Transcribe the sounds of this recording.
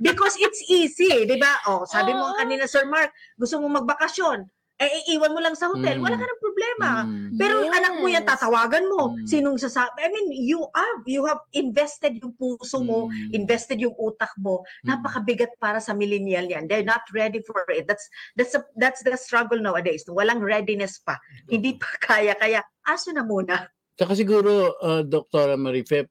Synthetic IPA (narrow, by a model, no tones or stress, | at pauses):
bɪkosɪt̪siːsid̪ɪbaʔosaːbɪmoŋkɐninɐsɛɹmaɹk̚ɡʊst̪ʊmomɐɡ̚bɐkɐsjo̞n | ʔɐʔɪʔiːwɐnmolɐŋsɐhot̪ɛlwɐlaːkɐnɐŋpɾoblɛːmɐpɛːɾoʔɐnak̚mojant̪aːt̪ɐwaːɡɐnmo̞siːnoŋsɐsaːajminjuʔavjʊhɐvɪnvɛst̪ɛd̪jʊŋpuːsomo̞ʔɪnvɛst̪ɛd̪jʊŋʔuːt̪ɐk̚mo̞naːpɐkɐbɪɡat̪̚paːɾɐsɐmɪlɪnɪalɲand̪ɛɹnɐt̪ɹɛd̪ifoɹɪt̪̚d̪at̪sd̪at̪sɐd̪at̪sd̪ɐst̪ɹaɡɛlnawɐd̪ejsnɐŋwɐlaŋɹɛd̪ɪnɛspɐhɪnd̪ipɐ̥kʰaːjɐkɐja | ʔaːsonɐmuːnɐ | t͡ʃɐkas̬ɪɡuːɾoɐd̪ok̚t̪oɾɐmɐɾifɛp